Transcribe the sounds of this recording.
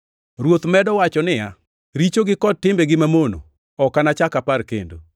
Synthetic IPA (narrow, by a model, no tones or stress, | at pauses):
ɾwot̪mɛdɔwat͡ʃɔnɪja | ɾit͡ʃoɡɪkɔtːɪmbeɡɪmamono̰ | ɔkanat͡ʃakaparkḛndo̰